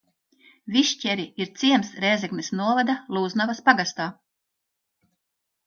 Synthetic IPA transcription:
viʃcʲɛɾiiɾt̪siɛmsɾɛːzɛɡnisnuɔvad̪alˠuːznavaspaɡast̪aː

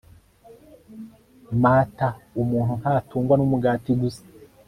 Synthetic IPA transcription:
maːtaumuːn̥unhaːtʰuːŋɡwanumuɡaːtiɡusḁ

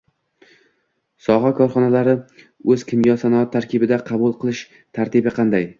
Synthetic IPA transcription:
sɒɦɑkʰɒɾχɒnalaɾɪ | ɵzkʲʰɪmɡʲɒsanɒɒt̪ʰːaɾkʲʰɪbɪd̪aqʰɑbulˠqʰɨlˠɪʃ | t̪ʰaɾt̪ʰɪbɪqʰɑnd̪aj

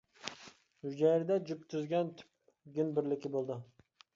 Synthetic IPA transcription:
ud͡ʒɛɾɪd̪ɛd͡ʒypt̪ʰyzɡʲɛnt̪ʰy̥p̚ | ɡʲynbɪɾlɪkʲibolˠd̪ɨ

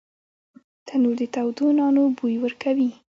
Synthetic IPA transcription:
t̪ʰanuɾd̪ət̪awd̪unɑnobujwəɾkʰawi

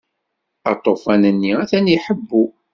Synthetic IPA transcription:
ɑ̰t̪ˤːofænənːiæθænjiħəbːu

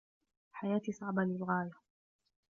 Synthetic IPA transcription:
ħajaːt̪isˤɑʕbalɪlɣaːja

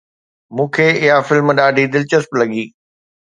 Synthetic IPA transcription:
mũːkʰeːɪɦafɪlmɗaːɖʱid̪ɪlt͡ɕəsplɐɠiː

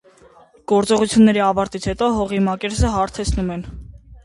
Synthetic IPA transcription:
ɡ̥ɔɾt͡sɔʁut͡sʰjunːɛɾiɑvɑɾt̪it͡sʰhɛt̪ɔɦɔʁimɑkɛɾsəɦɑɾt̪ʰɛt͡sʰnumɛn

